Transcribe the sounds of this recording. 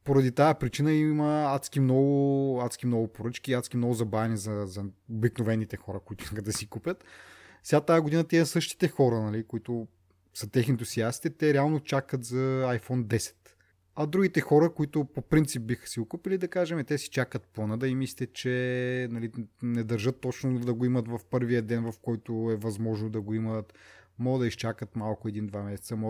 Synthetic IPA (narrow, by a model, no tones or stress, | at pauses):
poɾɐd̪it̪ajɐpɾit͡ʃinəimɐat̪sk̟imnɔɡʊat̪skimnɔɡʊpoɾɤt͡ʃkiːat̪skʲimnɔɡʊzɐbɾavɛnizɐzɐobiknovɛnːit̪ɛxɔɾəkoit̪ʊi̥skət̪d̪ɐsikupʲjət̪fsɛɡat̪ajɐɡod̪inət̪ɛiɐsɤʃt̪i̥t̪ɛxɔɾənɐlikoit̪ʊ | sət̪ɛxnit̪osiasi̥t̪ɛt̪ɛɾɛalˠnot͡ʃakət̪zɐajfɔnd̪ɛsɛ̥t̪ | ɐd̪ɾuɡit̪ɛxɔɾəkoit̪ʊpopɾint̪sip̚bixə̥siɡokupilid̪ɐkaʒɛmɛt̪ɛsi̥t͡ʃakət̪̚plˠɐnəd̪ɐimist̪ɛt͡ʃɛnɐlinɛd̪ɐɾʒɤt̪ːɔt͡ʃnod̪ɐɡoimət̪vɐfpɤɾviəd̪ɛnvɐfkɔjt̪ʊɛvɐzmɔʒnod̪ɐɡoimət̪mɔɡəd̪ɐiʃt͡ʃakət̪malˠkʊɛd̪ind̪vamɛsɛ̥t̪səmɔ